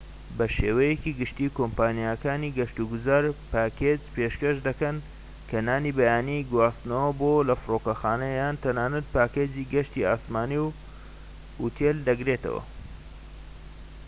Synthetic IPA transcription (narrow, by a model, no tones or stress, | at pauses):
bɐʃeːwɐjekiɡɨʃt̪iːkoːmpaːnijakaːniɡɐʃt̪uɡuzaːɾpaːkʰed͡ʒpeʃkɐʃd̪ɐkɐn | kʰɐnaːnibɐjaːniɡwaːst̪nɐwɐbolɐfɨrokɐxaːnɐjaːnt̪ɐnaːnɐt̪̚paːkeːd͡ziɡɐʃt̪iaːsmaːniw | ut̪ʰeld̪ɐɡɾeːt̪ɐ̰wɐ̰